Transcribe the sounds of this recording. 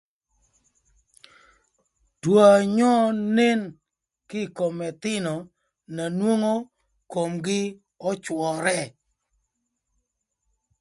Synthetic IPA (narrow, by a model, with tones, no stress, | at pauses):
d̥wo˨a˨ɲɔ˦ne˦n | kɪ˦˨ko˨mɛ˨t̪ɪ˦nɔ˨ | na˨nwo˦ŋo˦ | ko˨mɡɪ˦ | ɔ˦t͡ʃwɔ˨ɾɛ˦